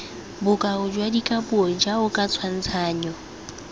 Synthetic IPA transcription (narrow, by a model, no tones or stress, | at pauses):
bʊkʼaʊd͡ʒwadikʼapʼuɔd͡ʒaʊkʼat͡sʰwan̩t͡sʰaːɲɔ